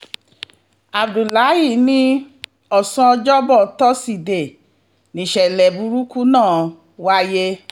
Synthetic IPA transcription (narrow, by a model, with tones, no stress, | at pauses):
a˨bdu˨la˨˦ji˦˨nĩ˦ | ɔ˦˨sã˧d͡ʒɔ˦bɔ˦˨tɔ˦si˨de˨ | nĩ˨ʃɛ˨lɛ˨bu˧ɾu˦ku˦nãː˦˨ | wa˧˦je˦